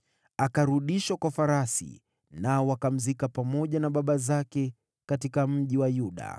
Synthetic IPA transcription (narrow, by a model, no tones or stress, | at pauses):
akaɾuɗiʃakwafaɾasḭ | naɔwakam̩zikapamɔʄanaɓaɓazakɛ | katikam̩ʄiwajuɗa̰